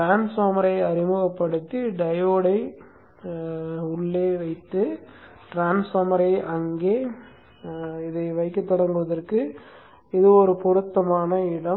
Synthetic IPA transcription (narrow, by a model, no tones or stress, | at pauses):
ʈɾaːnsoːmɐɾɐɪɐɾɪmɯɣɐpːɐɽɯt̪ːiɖɐjoːɽɐɪ | ʊɭːeːʋɐɪt̪ːɯ | ʈɾaːnsɐɾmɐɾɐɪʔɐŋɡeː | ɪðɐɪʋɐɪkːɯt̪ːɔɽɐŋɡɯʋɐðɐrkɯ | ɪðɯɔɾɯpʊɾɯt̪ːɐmaːnɐɪɽɐ